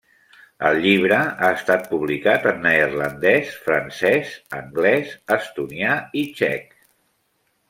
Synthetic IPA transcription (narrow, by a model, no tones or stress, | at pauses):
ə̰lˠʎiβ̞ɾəaəst̪at̪̚puβlikat̪ənːərlənd̪ɛsfɾənsɛsə̰ŋɡlɛsəst̪uniait͡ʃɛ̰k